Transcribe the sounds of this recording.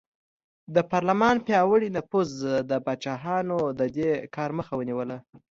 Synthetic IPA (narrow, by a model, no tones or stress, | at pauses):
d̪əpɑɾlamɑnpjɑwəɽinapuzd̪əbɑt͡ʃɑɦɑnod̪əd̪ekʰɑɾməxawəniwəla